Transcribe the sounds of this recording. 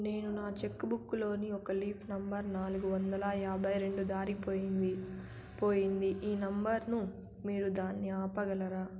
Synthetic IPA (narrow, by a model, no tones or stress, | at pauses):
ne̞ːnunaːt͡ʃekːbukːulo̞ːniɔkɐliːpʰnɐmbɐɾnaːluɡuʋɐnd̪ɐlɐjaːbʱɐjɾe̞ɳɖud̪aːɾipoːii | poːjind̪iʔiːnɐmbɐɾnu | miːɾud̪aːnːiaːpɐɡɐlɐɾaː